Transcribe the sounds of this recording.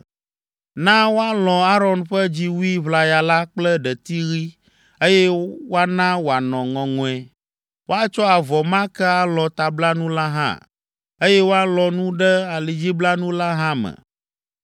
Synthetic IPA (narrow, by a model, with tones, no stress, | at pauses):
nã˦wo˦a˦lɔ̃˨a˦ɾɔ˦nɸɛ˦d͡ʑi˦wu˦i˦βla˨ja˨la˦k͡plɛ˦ɖɛ˨t̪i˦ɣi˦ | e˦jɛ˦wo˦a˦nã˦wo˨a˨nɔ̃˨ŋɔ̃˨ŋɔ̃˨ɛ˨ | wo˦a˦t͡ʃɔ˦a˨vɔ˨mã˦kɛ˦a˦lɔ̃˨t̪a˨bla˦nũ˦la˦ɦã̰˦ | e˦jɛ˦wo˦a˦lɔ˨nũ˦ɖɛ˦a˨li˨d͡ʑi˦bla˦nũ˦la˦ɦã˦mɛ̰̃˨